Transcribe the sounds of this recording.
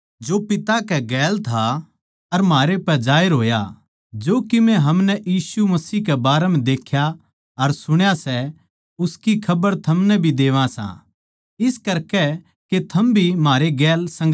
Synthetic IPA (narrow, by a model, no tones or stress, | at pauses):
d͡ʒoːpɪt̪akɛɡɛːlt̪ʰa | ɐɾmaːɾepɛd͡ʒaːjɾɦoːja̰ | d͡ʒoːkɪmɛ̃ɦɐmnɛʔjiːsumɐsiːkɛbaːɾɛmɛ̃d̪eːkʰja | ɐɾsʊɽ̃jasɛ | ʊskikʰɐbəɾt̪ʰɐmnɛbʱid̪eːʋãsã̰ | ɪskɐɾkɛ | ket̪ʰɐmbʱimaːɾeɡɛːlsɐ̃ŋɡ